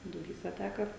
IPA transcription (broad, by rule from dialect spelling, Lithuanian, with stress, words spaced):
dʊˈbʲiːsɐ ˈtʲæːkɐ